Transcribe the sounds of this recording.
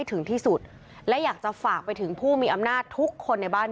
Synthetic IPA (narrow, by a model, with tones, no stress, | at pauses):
jt̪ʰɯ˩˦ŋt̪ʰiː˥˩su˨˩t̪̚ | lɛ˦˥jaː˨˩k̚t͡ɕa˨˩faː˨˩k̚pa˧jt̪ʰɯ˩˦ŋpʰuː˥˩miː˧ʔa˧mnaː˥˩t̪ʰu˦˥kʰːo˧nːa˧jbaː˥˩n